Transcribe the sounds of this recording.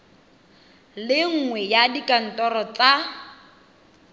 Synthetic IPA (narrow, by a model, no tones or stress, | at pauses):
lɪŋ̩ŋwɛjadikʼan̩tʼɔɾɔt͡sa